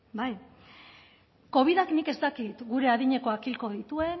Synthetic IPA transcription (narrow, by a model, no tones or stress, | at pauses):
baj | ko̞β̞iðaknike̞st̪akit̪ɡuɾe̞aðiɲe̞ko̞akilko̞ð̞it̪ue̞